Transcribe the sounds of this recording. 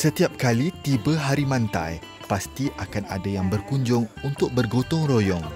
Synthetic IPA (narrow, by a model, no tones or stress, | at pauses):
sət̪iap̚kalit̪ibaɦaɾimãnt̪a̰j | past̪iʔakanadajaŋbərkuɲd͡ʒʊŋunt̪ʊk̚bərɡot̪ʊŋrojɔŋ